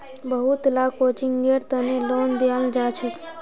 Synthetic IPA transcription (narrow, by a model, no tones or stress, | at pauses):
bəɦut̪lakot͡ʃiŋɡeɾt̪ənelond̪ejald͡ʒat͡ʃʰət̪